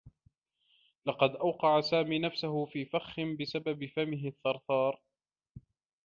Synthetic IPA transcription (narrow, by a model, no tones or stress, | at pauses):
lɑqɑd̪ʔawqɑʕasaːmiːnafsaɦʊfiːfaxːɪnbɪsababɪfamɪɦɪθːɑɾˤθɑːɾˤ